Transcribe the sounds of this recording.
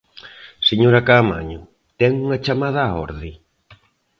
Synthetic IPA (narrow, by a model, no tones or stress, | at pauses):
seɲoɾakaːma̰ɲʊ | t̪ɛŋuŋat͡ʃamað̞aːɔ̰ɾðɪ